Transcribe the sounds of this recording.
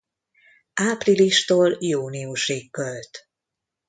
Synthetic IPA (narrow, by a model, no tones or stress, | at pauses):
ʔaːpriliʃt̪oːljuːniuʃeːkːølt̪